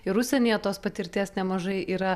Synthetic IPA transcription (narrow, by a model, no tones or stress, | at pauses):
ɪɾʊsʲɛnʲiːjɛt̪oːspɐt̪ʲɪɾʲt̪ʲiːsnʲɛmɐʒɐɪiːɾɐ